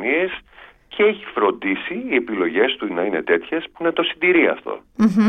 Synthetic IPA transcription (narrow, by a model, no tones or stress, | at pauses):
nies | cʰeeçifɾo̞nd̪isiːepilo̞ʝe̞st̪unɐine̞̰t̪e̞t̪çe̞spunɐt̪o̞sind̪iɾiɐ̰ft̪o̞̰